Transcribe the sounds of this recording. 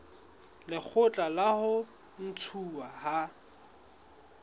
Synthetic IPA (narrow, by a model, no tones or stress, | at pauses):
lɪk͡xʰʊt͡ɬʼalahʊ | n̩t͡sʰuwaha